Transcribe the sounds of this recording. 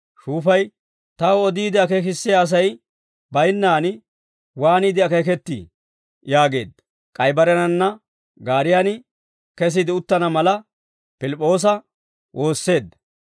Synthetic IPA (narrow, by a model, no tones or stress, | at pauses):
ʃuːfɐj | t̪ɐwɔd̪iːd̪ɪɐkeːk̬ɪsːɪjaːs̬ɐj | bɐjnːaːn | waːniːd̪ɪɐkek̬ɛt̪ːḭ | jaːɡe̞̰ːd̪ːɐ | kʼɐjbɐɾɛnɐnːɐ | ɡaːɾɪjanɪ | kɛs̬ɪd̪ɪʊt̪ːɐnɐmɐlɐ | pɪlɪpʼːo̞ːs̬ɐ | wʔo̞ːsːe̞ːd̪ːɐ